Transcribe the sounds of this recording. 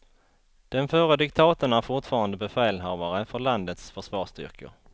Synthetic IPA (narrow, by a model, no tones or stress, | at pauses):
d̪̥ɛnfœɾəd̪ɪk̚t̪ʰɑːt̪əɳæɾfʊʈfɑːɾand̪əbɛfɛːlɦaɾvaɾəfœɭand̪ət̪sfœʂvɑːʂt̪ʏ̰ɾkʰə̰ɾ